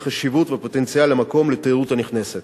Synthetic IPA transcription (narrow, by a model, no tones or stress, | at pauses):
χaʃivut̪vepo̞t̪ensialːamako̞mlet̪eʁut̪aniχne̞set̪